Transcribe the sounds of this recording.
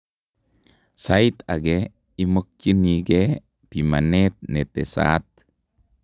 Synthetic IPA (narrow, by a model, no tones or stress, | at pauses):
sajt̪ɐɡe | imɔk̚t͡ʃiniːɡe | pimɐnet̪̚net̪esa̰ːt̪